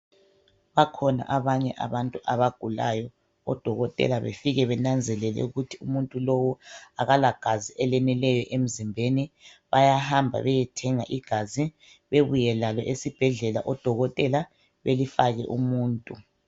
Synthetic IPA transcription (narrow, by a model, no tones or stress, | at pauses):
βakʰɔna̰ʔaβaɲɛʔaβantʼuʔaβaɡ̥ʱula̰jɔ | ɔ̰d̥ʱɔɣɔtʼɛ̰laβḛfiɣɛβɛnand͡zʱɛlɛlɛ̰uɣutʰiumuntʼulowɔaɣalaɡ̥ʱaziʔɛlɛnilɛjɔʔem̩zimbʱeniβajahambʱa̰βɛjɛtʰɛŋaʔiɡ̥ʱazi | βeβujɛlalɔʔesib̥ʱɛɮɛla̰ʔɔd̥ʱɔɣɔtʼɛla | βelifaɣɛ̰ʔumuːntʼu